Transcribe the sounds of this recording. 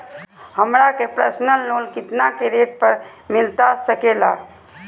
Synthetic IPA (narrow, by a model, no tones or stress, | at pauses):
həmɾakepɾəsnəlːoːlkɪt̪nakeɾeʈ̚pəɾmɪlt̪asəkela̰